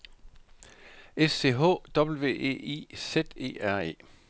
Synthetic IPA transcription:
esːe̝ːɦɔ̰ːd̥ɒ̽b̥l̩ʋe̝̰ːe̝̰ːḭsed̥e̝̰ːæɐ̰e̝̰ː

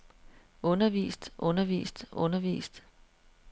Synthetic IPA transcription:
ʔɔ̽nɐʋḭːsd̥ʔɔ̽nɐʋḭːsd̥ɔ̽nɐʋḭːsd̥

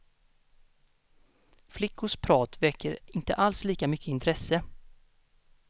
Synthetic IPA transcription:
flɪkːʊʂpʰɾɑːt̪vɛkʰːəɾɪnt̪ə̰ʔalsliːkamʏkʰːəɪnt̪ʰɾɛsːə

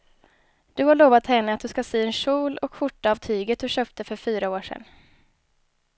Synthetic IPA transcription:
d̪̥ɵhaɭoːvat̪hɛnːəat̪̚d̪ɵskaseːɛnɕuːlɔkɧʊʈːaavt̪ʰyːɡət̪̚d̪ɵɕøːp̚t̪əfœɾfyːɾaoːʂɛ̰n

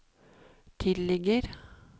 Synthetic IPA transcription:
t̪ʰɪlɛɡəɾ

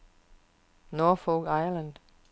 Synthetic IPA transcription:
nɔːfoɡ̥ɑɪɐlə̃nd̥

